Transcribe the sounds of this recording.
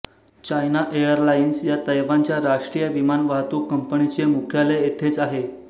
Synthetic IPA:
t͡ɕajnaʔejəɾlainsjat̪əjʋaɲt͡ɕjaɾaʂʈɾijəʋimanʋaɦt̪uːkːəmpəɳit͡ɕemukʰjaleːt̪ʰet͡saɦe

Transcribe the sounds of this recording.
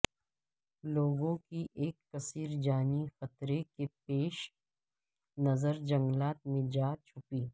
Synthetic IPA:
loːɡõkiʔeːkːɐsiːɾd͡ʒaːnixɐt̪ɾekepeːʃ | nɐzəɾd͡ʒɐ̃ŋɡlaːt̪̚mẽd͡ʒaːt͡ʃʰʊpiː

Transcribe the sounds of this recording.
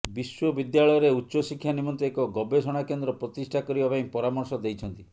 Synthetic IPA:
biswɔbid̪jaɭɔjɔɾeutːʃɔsikʰːjanimɔnt̪eːkɔɡɔbesɔɽ̃akend̪ɾɔpɾɔt̪isʈʰakɔɾibapaj̃pɔɾamɔɾsɔd̪ejt͡ʃʰɔnt̪i

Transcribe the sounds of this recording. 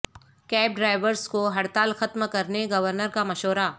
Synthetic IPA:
kɛːp̚ɖɾaːɪʋəɾskoɦɐɽt̪aːlxɐt̪mkɐɾneɡɐʋəɾnəɾkamɐʃoːɾaː

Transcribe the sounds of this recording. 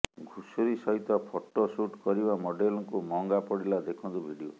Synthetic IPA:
ɡʱusuɾisɔɦit̪ɔpʰoʈosuʈkɔɾibamɔɖelɔŋkumɔŋɡapɔɽilad̪ekʰɔnt̪ubʱiɖio

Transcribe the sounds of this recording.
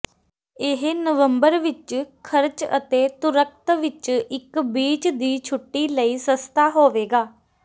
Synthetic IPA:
ɪɦnəʋəmbəɾʋɪt͡ʃkʰəɾt͡ʃə̰t̪eːt̪ʊɾək̚ʰt̪ʋɪt͡ʃɪkbiːt͡ʃd̪iːt͡ʃʰʊʈːiːləiːsəst̪aːɦoːʋeːɡaː

